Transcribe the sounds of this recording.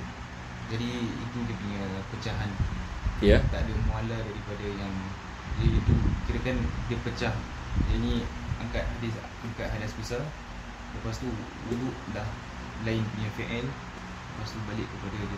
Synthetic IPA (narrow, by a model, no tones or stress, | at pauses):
d͡ʒadiḭt̪udəpuɲapət͡ʃaɦanjat̪aʔadəmualadaɾipadajaŋ | d͡ʒadiːt̪ukiɾakandəpət͡ʃah | jainĩaŋkat̪̚hadis | aŋkaʔ̚ɦadaspisa | ləpast̪u | uɾuʔlah | laɪnpuɲafiʔɛl | ləpast̪ubalɪʔkəpadad